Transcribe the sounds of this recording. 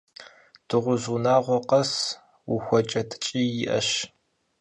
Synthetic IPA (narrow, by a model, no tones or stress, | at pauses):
d̥ɨʁʷʊzunaːʁʷɔqɐs | wuxʷɔt͡ʃʼɐtʰt͡ʃʼiːjɪʔɐ̰ɕ